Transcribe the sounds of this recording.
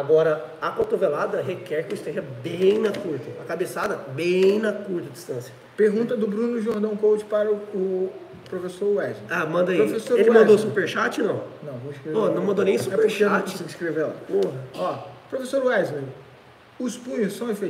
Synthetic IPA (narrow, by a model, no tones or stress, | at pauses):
aɡɔɾɐ | ɐkõt̪ovelad̪ɐɦekɛɾkɪʊist̪ẽʒɐbẽj̃nɐkuɾt̪ɐɐkabesad̪ɐbẽj̃nɐkuɾt̪ɐd͡ʒist̪ɐ̃sjɐ | peɾɡũnt̪ɐd̪ʊbɾũnʊʒoɾd̪ɐ̃w̃kowd͡ʒɪ̥paɾɐʊʊ | pɾofesoɾuɛzmeamɐ̃nd̪ɐipɾoofesoɾelɪmɐ̃d̪osupeɾʃat͡ʃɪnɐ̃w̃nɐ̃w̃võɪskɾevepoɐnɐ̃w̃mɐ̃nd̪onẽj̃supɾʃat͡ʃiskɾevela̰poɦɐɔpɾofesoɾuɛzmeɾ | ʊspũɲʊsːɐ̃w̃efe